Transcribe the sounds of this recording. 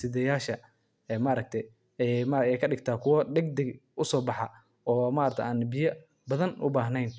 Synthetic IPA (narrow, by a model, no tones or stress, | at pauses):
sɪðɛjaːʃɐ | ɛːmɐɾɐk̚t̪ʰɛ | ɛmaɛjkʰɐɖɪɡt̪ʰaːkʰʊwɐdɛɡd̪ɛɡʊsɔːbɑħɑ | ɔːmaːɾɐkt̪ʰʔaːnbɪjɐ | bɐðɐnʔʊ̰baːɦnɛjn